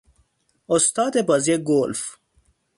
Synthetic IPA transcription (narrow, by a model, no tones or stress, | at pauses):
ost̪ɑːd̪ebɐzjeɡolf